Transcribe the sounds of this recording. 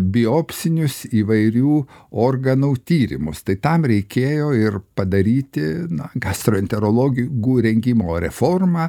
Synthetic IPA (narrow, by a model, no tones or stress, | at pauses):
bʲɪoːpʲsʲɪnʲʊsiːʋɐɪɾʲuːoːrɡɐnuːt̪ʲiːɾʲɪ̰mʊst̪ɐɪt̪ɐmɾʲɛɪkʲeːjoːɪrpɐd̪ɐɾʲiːt̪ʲɪnɐɡɑst̪ɾoːɛnʲt̪ʲɛɾoːlˠoːɡʲɪɡuːɾʲɛŋʲɡʲɪmoːɾʲɛfoːrmɑː